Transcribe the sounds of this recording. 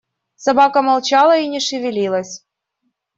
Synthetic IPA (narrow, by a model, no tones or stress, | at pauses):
sɐbɑkəmɐlˠt͡ɕɑlˠəinʲɪʂɨvʲɪlʲilˠəsʲ